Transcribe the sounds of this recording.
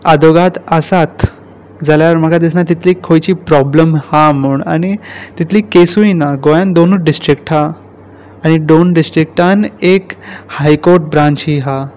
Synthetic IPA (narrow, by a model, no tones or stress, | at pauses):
ad̪ʱoɡat̪əsat̪ | d͡zaljaɾm̤əkʰad̪is̬nat̪it̪ʰliːkʰːojt͡ɕiːpɾɔbləmham̤uɳañit̪it̪ʰliːkesujinaɡojãnd̪onuːɖisʈɾikʈɦaː | ñiɖonɖisʈɾik̚ʈanekhajkoɾʈ̚bɾãɲt͡ɕiɦa